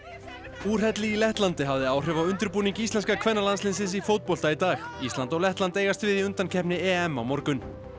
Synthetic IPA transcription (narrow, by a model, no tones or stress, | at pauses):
uːr̥ɛt̪lɪilɛht̪lant̪ɪɦavðɪaːwr̥ɛvaʏnt̪ʏɾpuːniŋcist̪lɛnskakʰv̥ɛnːalanslɪnsɪnsifowt̪̚pɔl̥t̪ait̪aːxist̪lant̪ɔɣlɛht̪lant̪eːjɣast̪vɪðiʏnt̪ancʰɛhpnɪɛːɛmːawmɔɾkʏn